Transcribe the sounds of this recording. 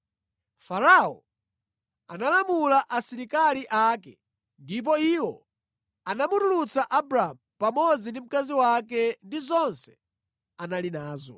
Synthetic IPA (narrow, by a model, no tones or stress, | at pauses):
faɾaɔ̰ | analamulaʔasiɾikaliʔakɛ | ndip̬ɔiwɔ̰ | anamutulut͡saʔabɾaamupamɔd͡zindim̩kaziwakɛndizɔnsɛ̥ | analinaːzɔ̰